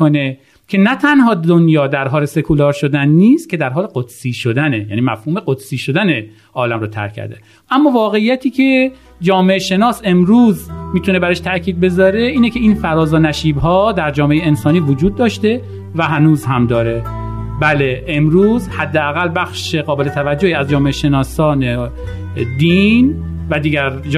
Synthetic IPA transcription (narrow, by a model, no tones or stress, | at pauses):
one | cʲʰe̞næt̪ʰænhɒːd̪onjɒːd̪æɾɦɒːle̞se̞kʰulɒːɾʃod̪ænːiːst̪̚cʰe̞d̪æɾɦɒːleɢod̪̥siːʃod̪ænejæ̰ːniːmæfhuːme̞ɢod̪̥siːʃod̪æne | ʔɒːlæmɾoːt̪ʰæ̰ɾkʰːæ̰ɾd̪ḛ | ʔæmːɒːvɒːɣe̞ijæt̪ʰiːcʰe̞ | d͡ʒɒːmeʔeʃe̞nɒːse̞mɾuːzmiːt̪ʰune̞bæɾeʃt̪ʰæʔcʰiːd̪̚be̞zɒːɾe̞iːnecʰe̞iːnfæɾɒːzɒːnæʃiːbɦɒːd̪æɾd͡ʒɒːmeʔejeensɒːniːvod͡ʒuːd̪̚ːɒːʃt̪e̞ | væɦænuːzɦæmd̪ɒːɾebæleʔemɾuːzhæd̪ːeæɣælːbæxʃeɣɒːbe̞let̪ʰævæd͡ʒːohiːæzd͡ʒɒːmeeʃenɒːsɒːne | d̪iːn | væd̪iːɟæɾ